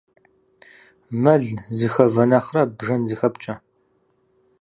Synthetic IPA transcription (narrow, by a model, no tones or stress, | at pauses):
mɐɮzɨxɐvɐnɐχrɐbʒɐnzɨxɐpt͡ʃʼɐ